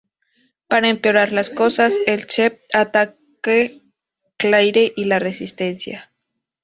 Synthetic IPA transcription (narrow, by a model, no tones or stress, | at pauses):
paɾaempeoɾaɾlaskosaselt͡ʃep̚at̪akke | klajɾeʔilaresist̪ensja